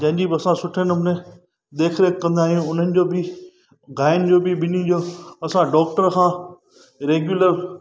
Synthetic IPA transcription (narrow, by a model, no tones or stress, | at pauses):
d͡ʑɐ̃ɦɪ̃ɲd͡ʑibɪɐsãsʊʈʰənmʊnẽ | d̪eːkʰɾekːɐ̃nd̪aːɦijũʊn̤ənɪ̆d͡ʑoːbɪ | ɡaːɪnd͡ʑoːbɪɓɪnĩd͡ʑoːɐsãɖɔːk̚ʈəɾkʰãː | ɾeːɡjʊləɾ